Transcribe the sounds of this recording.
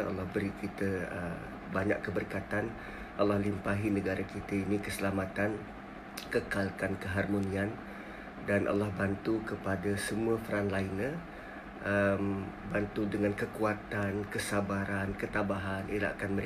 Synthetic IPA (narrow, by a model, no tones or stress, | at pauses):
a̰lːahbəɾikit̪əə | baɲa̰ʔkːəbərkat̪an | ʔalahlimpaɦinəɡaɾakit̪əinikəsəlamat̪an | kəkalkankəɦarmonĩan | danʔa̰lːahbant̪ukəpadasəmuəfəɾanlainə | ʔəmbant̪udəŋankəkuat̪ankəsabaɾankət̪abaɦanʔila̰ʔkanməɾ